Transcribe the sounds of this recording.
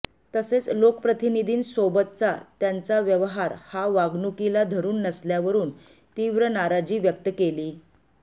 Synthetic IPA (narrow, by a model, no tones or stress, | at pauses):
t̪əset͡slokəpɾət̪inid̪ʱiːnsobət̪̚t͡sat̪jãnt͡saʋjəʋəɦaɾhaʋaɡnukilad̪ʱəɾuːnːəsljaʋəɾuːn | t̪iʋɾənaɾad͡ʑiːʋjək̚t̪əkeliː